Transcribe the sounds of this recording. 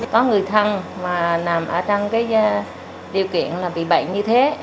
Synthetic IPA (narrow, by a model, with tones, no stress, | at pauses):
kɔ˨˦ŋɨ˨˩əjt̪ʰə˧nmaː˨˩naː˨˩mʔəː˧˩t͡ɕɔ˧wŋ͡mkaː˨˦j | ɗi˨˩əwkḭ˧˨ənlaː˨˩ɓḭ˧˨ɓə̰˧˨jɲɨ˧t̪ʰe˨˦